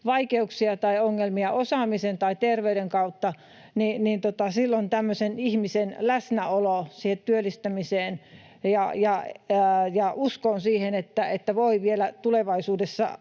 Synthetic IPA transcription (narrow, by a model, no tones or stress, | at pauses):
ʋɑikeuksiɑt̪ɑioŋːelmiɑʔosɑˑmisent̪ɑit̪erʋeydeŋkɑut̪ːɑ | ninint̪ot̪ɑsilːont̪æmːøsenihmisenlæsnæolosiːhet̪t̪yølːist̪æmiseːn | jɑjɑ | jɑuskonsiːhenet̪ːæet̪ːæʋoiʋielæt̪uleʋɑisuːdesːɑ̰